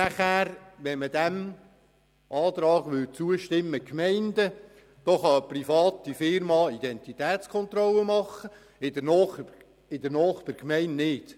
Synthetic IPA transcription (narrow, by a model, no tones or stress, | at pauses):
næχæːɾʋɛnməd̪æm | ʔɑːt̪ɾɑːɡ̥ʋʏlt͡suəʃtɪmːəkmɛɪnd̪ə | d̥oχɑəprifɑːt̪ifɪɾmɑːid̥̪ɛnt̪it̪ɛːt̪t͡skʰχɔnt̪rɔləmɑχːə | ɪd̥ənɔː | ɪd̥̪əɾnɔːχd̥ɛɾkmɛɪnnɪt